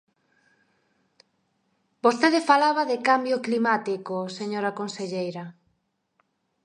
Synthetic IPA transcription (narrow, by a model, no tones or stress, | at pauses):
bost̪eðefalaβaðɪkambjoklimat̪ikoseɲoɾɐkonseʎejɾɐ